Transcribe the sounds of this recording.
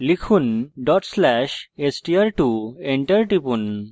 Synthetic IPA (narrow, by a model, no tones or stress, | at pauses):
likʰunɖɔʈslɛʃesʈiaɾʈueɳʈəɾʈipun